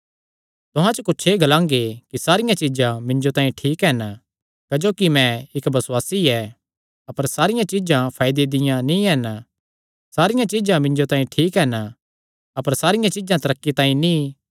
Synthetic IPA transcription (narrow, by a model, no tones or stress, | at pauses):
t̪ʊɦãt͡ʃokʊːt͡ʃʰeːɡɐlãːŋɡekisaːɾɪjãt͡ʃɪd͡ʒãmɪ̃ɲd͡ʒot̪ãːĩʈʰiːkɦɛːna | kɐd͡ʒoːkimɛ̃ɪkbɐsʊwaːsiɛ | ɐpəɾsaːɾɪjãt͡ʃɪd͡ʒãpʰaːjd̪ed̪ɪjãnĩɛːna | saːɾɪjãt͡ʃɪd͡ʒãmɪ̃ɲd͡ʒot̪ãːĩʈʰiːkɦɛːna | ɐpəɾsaːɾɪjãt͡ʃɪd͡ʒãt̪ɐɾəkːit̪ãːĩnĩ